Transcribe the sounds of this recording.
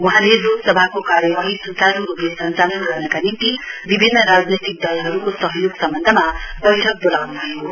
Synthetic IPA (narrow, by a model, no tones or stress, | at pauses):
wuɦãleloksʌbʱakokaɾjʌbaɦisunt͡saɾuɾobesʌnt͡salʌnɡʌrnʌkanint̪ibibʱinːʌɾad͡znet̪ik̚d̪ʌjaɦʌɾukosʌɦʌjoɡsʌmbʌnd̪ʱʌmabʌjʈʰʌk̚bolawnubʰʱʌjo